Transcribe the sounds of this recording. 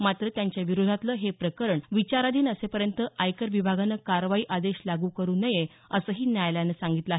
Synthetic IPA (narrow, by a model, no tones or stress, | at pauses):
mat̪ɾət̪jaɲt͡ɕjaʋiɾod̪ʱat̪ləːɦepɾəkəɾəɳʋit͡ɕaɾad̪iːnəsepəɾjənt̪əʔajkəɾʋibʱaɡanːəkaɾʋaiːʔad̪eɕlaɡuːkəɾuːnəje | əsəːɦiːnjajljanəsaŋɡit̪ləaɦe